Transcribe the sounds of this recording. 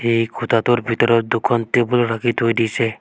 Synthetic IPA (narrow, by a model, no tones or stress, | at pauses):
ejkʰut̪at̪uɾbʱit̪ɔɾɔd̪ukʰːɔnt̪ibuloɾakit̪ɦojd̪it͡ʃʰe